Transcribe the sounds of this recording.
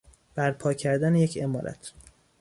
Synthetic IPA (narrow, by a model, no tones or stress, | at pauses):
b̥æɾpʰɒːcʰæɾd̪ænejecʰe̞mɒ̰ːɾʔæ̰t̪ʰ